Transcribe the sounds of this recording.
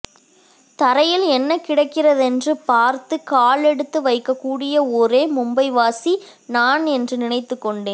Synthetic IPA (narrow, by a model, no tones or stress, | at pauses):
t̪ɐɾɐjɪlɛnːɐkːɪɽɐkːɪrɐðɛndrɯpaːɾt̪ɯkaːɭɛɽɯt̪ːɯʋɐɪkːɐkːuːɽɪjɐɔɾeːmʊmbɐɪʋaːsi | naːnɛndrɯnɪnɐɪt̪ːɯkːɔɳɖeːn